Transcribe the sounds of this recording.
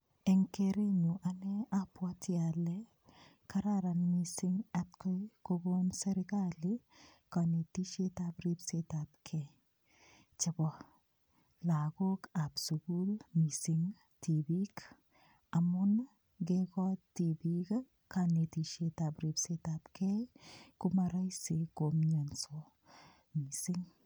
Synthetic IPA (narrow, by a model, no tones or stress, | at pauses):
eŋkeɾenuʔaneapwatiale | kaɾaɾanmisiŋatkojkoɡonseɾɪkali | kanetiʃetabɾibsetap̚kʰe | t͡ʃebɔ | laɡokabsuɡulmisiŋ | tibik | amun | ɡekɔtːibika | kanetiʃetabɾibsetabkekumaɾajsekomɲenso | misiŋ